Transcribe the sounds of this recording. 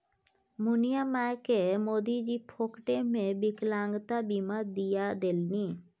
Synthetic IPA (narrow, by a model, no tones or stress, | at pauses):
munijamaekemod̪id͡ʑipʰokʈemebiklaŋɡt̪abimaɾd̪ijad̪elni